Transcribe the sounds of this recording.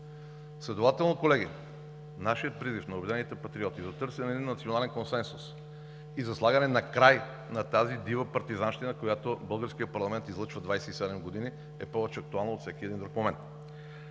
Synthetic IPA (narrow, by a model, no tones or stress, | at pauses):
slɛd̪ovat̪ɛlˠnokolɛɡi | naʃijət̪̚pɾizifnɐobɛd̪nɛnit̪ɛpɐt̪ɾiɔt̪izɐt̪ɤɾsɛnɛd̪inːɐt̪sionalɛnkonsɛnsus | izɐslˠaɡənɛnɐkɾaj | nɐt̪azid̪ivəpɐɾt̪izanʃt̪inɐkojat̪obɤlˠɡəɾsk̟iət̪pɐɾlˠɐmɛnt̪izlˠɤt͡ʃvəd̪vajsɛisɛd̪ɛmɡod̪ini | ɛpɔvɛt͡ʃɛɐk̚t̪ualˠnɐot̪fsɛkʲiɛd̪ind̪ɾukmomɛnt̪